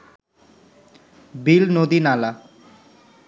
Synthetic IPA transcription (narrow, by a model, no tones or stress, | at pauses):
bilnod̪inala